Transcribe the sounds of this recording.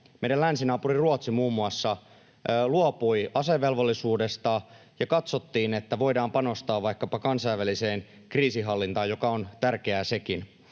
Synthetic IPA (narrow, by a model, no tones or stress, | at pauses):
mejdælænsinɑːpuriruot̪simuːmːuɑsːɑ | luopujɑse̞ʋːe̞lʋo̞lːisuːde̞st̪ɑ | jɑkɑt̪so̞t̪ːiːne̞t̪ːæʋo̞jdɑːmpɑno̞st̪ɑːʋʋɑjkːɑpɑkɑnsɑjʋæliseːn | kriːsiɦɑlːint̪ɑːjo̞kɑont̪ærke̞æse̞kin